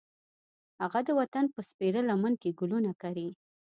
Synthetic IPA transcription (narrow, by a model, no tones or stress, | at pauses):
haɣad̪əwat̪anpəspeɾəlamənkeɡʊlunakaɾi